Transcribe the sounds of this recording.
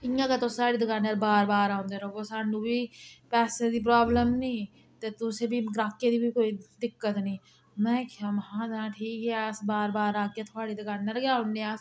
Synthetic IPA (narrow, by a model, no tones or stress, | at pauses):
ɪjãːkat̪osaːɽiːd̪ɪkaːnːəɾbaːɾbaːɾaõnd̪eːɾoʋoːsaːnũːbʱipɛːsed̪iːp̬ɾaːbləmnĩː | t̪et̪ʊsebʱiɡɾaːkːed̪iːbʱikoːid̪ɪkːət̪nĩː | mɛ̃ːkamɦãːd͡ʒãːʈʰiːkɦɛsbaːɾbaːɾaːkːjeːt̪ʰʊaːɽid̪ɪkaːnːəɾɡjaːɦʊndeaːs